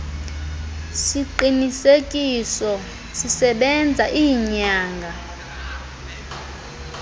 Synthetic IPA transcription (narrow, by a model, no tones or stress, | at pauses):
siǃinisekʼisɔ | sisɛɓɛnd͡zʱaʔiːɲaːŋɡʱa